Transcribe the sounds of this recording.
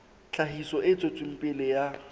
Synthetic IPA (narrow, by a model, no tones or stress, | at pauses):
t͡ɬʰaɦisɔʔɪt͡sʼot͡sʼʊm̩pʼɪlɪja